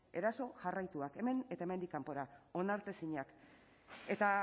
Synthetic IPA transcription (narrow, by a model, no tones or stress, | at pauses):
e̞ɾaso̞ʝarajt̪uake̞me̞ne̞t̪aeme̞nd̪ikːampo̞ɾao̞naɾt̪e̞siɲak | e̞t̪a